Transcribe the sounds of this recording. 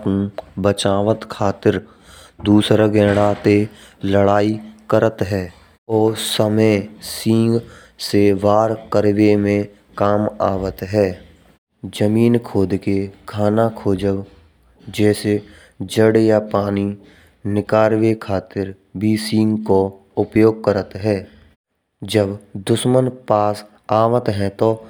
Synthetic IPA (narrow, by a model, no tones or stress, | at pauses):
bət͡ʃaːʋət̪kʰaːt̪ɪɾ | d̪uːsɾaɡɛ̃ːɽat̪e | ləɽaːikəɾət̪ɦɛː | ɔːsəməɪsĩːŋɡ | seʋaːɾkəɾʋemẽ | kaːma̰ːʋət̪ɦɛː | d͡ʒəmiːnkʰoːd̪kekʰaːnakʰoːd͡ʒəʋ | d͡ʒɛːse | d͡ʒəɽjapaːni | nɪkaːɾʋekʰaːt̪ɪɾ | bʱisĩːŋɡko | ʊpjoːɡ̚kəɾət̪ɦɛː | d͡ʒəbd̪ʊʃmənpaːs | aːʋət̪ɦɛ̃t̪o